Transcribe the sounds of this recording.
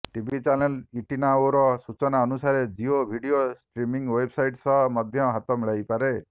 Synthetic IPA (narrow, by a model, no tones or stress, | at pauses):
ʈibʱit͡ʃaneliʈinaoɾɔsut͡ʃɔnaɔnusaɾed͡ʒiobʱiɖiosʈɾimiŋwebsajʈsɔmɔd̪ʱjɔɦat̪ɔmiɭajpaɾe